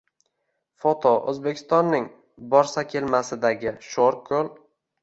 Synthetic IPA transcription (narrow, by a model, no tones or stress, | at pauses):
fot̪ʰoɵ̰zbekʲʰɪ̥st̪ɒnːɪŋ | bɒɾsakʲʰe̞lmasɪd̪aɡʲɪʃoɾkʲʰːolˠ